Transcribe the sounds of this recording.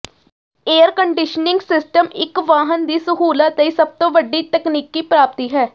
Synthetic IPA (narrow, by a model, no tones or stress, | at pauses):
eːəɾkəɳɖɪʃənɪ̃ŋɡsɪsʈəmɪkʋaːɦənd̪iːsəɦuːlat̪ːəiːsəb̚t̪õːʋəɖːiːt̪əkniːkːiːpɾaːp̚t̪iːɦɛː